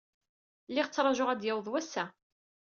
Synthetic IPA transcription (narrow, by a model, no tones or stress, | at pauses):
lːɪʁt͡sːɾˤɑʒoʁæd̪jæwðˤwæsːæ